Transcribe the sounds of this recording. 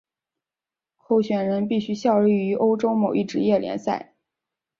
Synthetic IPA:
kʰo˥˩ʊɕɥɛ˨˩nɻə˧˥np̬i˥˩ɕy˥ɕjɑ˥˧ʊli˥˩y˧˥ʔo˥ʊʈ͡ʂo˥ʊmo˨˩ʊi˥˩ʈ͡ʂɻ̩˧˥jɛ˥˩ljɛ̰˧˥nsa˥˩ɪ

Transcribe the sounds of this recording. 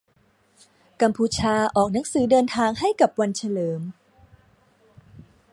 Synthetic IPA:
ka˧mpʰuː˧t͡ɕʰaː˧ʔɔː˨˩k̚na˩˦ŋsɯː˩˦dɤː˧nt̪ʰaː˧ŋha˥˩jka˨˩p̚wa˧nt͡ɕʰa˧lɤː˩˦m

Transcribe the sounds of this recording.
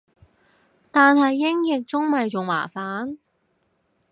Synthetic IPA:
t̪aː˨nɦɐ˨jːɪ˥ŋjɪ˨k̚t͡sʊ˥ŋmɐ˨jt͡sʊ˨ŋwa̰ː˨˩faː˨˥n

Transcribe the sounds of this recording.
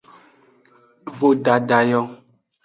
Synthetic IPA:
vo˨ɖa˨ɖa˨jɔ˦

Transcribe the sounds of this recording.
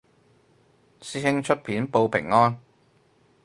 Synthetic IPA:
siː˥hɪ˥ŋt͡ʃʰɵ˥t̚pʰiː˨˥npo˧wpʰɪ̰˨˩ŋːɔː˥n

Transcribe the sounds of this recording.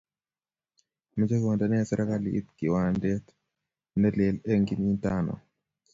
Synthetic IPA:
mi˨d͡ʒa˦kwo˨ndanɛ˦sɛ˦ɾʔa˦kalḭʔḭ˦t̪̚ki˨wandɛt | nɛlelɛ˦ŋɡinintanɔ̰˨

